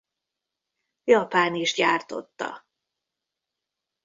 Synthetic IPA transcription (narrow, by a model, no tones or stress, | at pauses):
jɒpaːniʃɟaːrt̪o̞̰t̪ːɒ̰